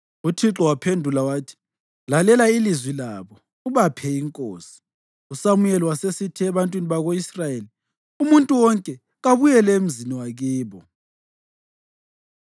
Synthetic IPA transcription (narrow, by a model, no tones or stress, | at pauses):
utʰiǁɔwapʰendʱulawaːtʰi̥ | lalɛlailizwilaβɔ | uβapʰɛiŋkʼoːsi̥ | usamujɛliwasesitʰiɛβantʼwiniβaɣoisrajeli | umuntʼuwɔŋkʼɛ | ɣaβujɛlɛem̩ziniwaɣiːβɔ